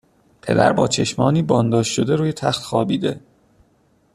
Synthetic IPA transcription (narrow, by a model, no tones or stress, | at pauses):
pʰe̞̰d̪æ̰ɾbɒːt͡ʃʰe̞ʃmɒːniːbɒːnd̪ɒːʃʃo̞d̪eɾuːjet̪ʰæxt̪xɒːbiːd̪e̞